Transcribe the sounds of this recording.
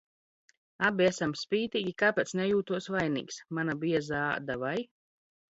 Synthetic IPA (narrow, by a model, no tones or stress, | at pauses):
abiesamspʲiːt̪iːɡʲikaːpet̪snʲɛjuːt̪uɔsvajnḭːksmanabiɛzaad̪avaj